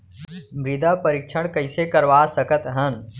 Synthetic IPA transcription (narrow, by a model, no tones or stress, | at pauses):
mɾɪd̪apɐɾɪkʃʰəɽ̃kɐisekɐɾʋaːsəkət̪ɦən